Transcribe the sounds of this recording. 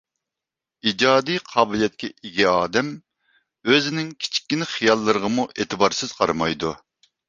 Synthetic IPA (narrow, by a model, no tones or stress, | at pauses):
id͡ʒɑːd̪ijqʰɑːbɪlˠijɛt̪̚kʲɛʔiɡʲɛɑːd̪ɛm | øzɪnɪŋkʲʰi̥t͡ʃʰi̥kʲːinɪχijɑlˠːɨɾəʁəmuʔeːt̪ʰɨbɑɾsɨz̥qʰɑɾɨmɑjd̪u